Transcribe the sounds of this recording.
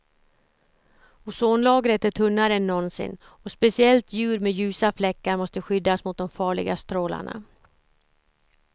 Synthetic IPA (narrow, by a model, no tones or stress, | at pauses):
ʊsoːnlɑːɡɾət̪ɛt̪ʰɵnːaɾɛnːɔnsɪ̰nː | ɔspɛsɪɛlt̪ʰjʉ̟ːɾmɛjʉ̟ːsaflɛkːaɾmɔst̪əɧʏd̪ːasmʊt̪̚d̪ɔmfɑːɭɪ̰ɡast̪ɾoːla̰ɳa̰